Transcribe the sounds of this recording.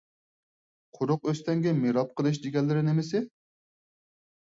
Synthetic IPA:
qʰʊɾʊqøst̪ɛŋɡʲɛmeɾɑp̚qəlˠɨʃ̬d̪eɡʲɛlːɪɾɪnɪmɪs̬ɪ

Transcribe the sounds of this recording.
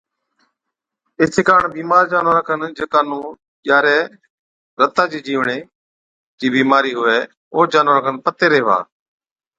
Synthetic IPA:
ɪsɪːkaːɳbiːmaːɾd͡ʒaːnoːɾəkʰənd͡ʒeːkaːnũː | ʄaːɾeː | ɾət̪aːd͡ʒiːd͡ʒiːʋɳeː | d͡ʒiːbiːmaːɾiːɦʊʋeː | oːd͡ʒaːnoːɾəkʰənpət̪eːɾeːʋa̰ː

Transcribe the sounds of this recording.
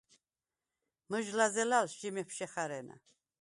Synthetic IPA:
məʒlazɛlalʃd͡ʒimɛpʰʃɛχaɾɛna̰

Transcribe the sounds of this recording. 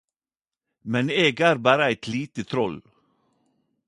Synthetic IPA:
mɛneːɡæːɾbæːɾəæɪt̪ʰliːt̪ət̪ʰɾɔl

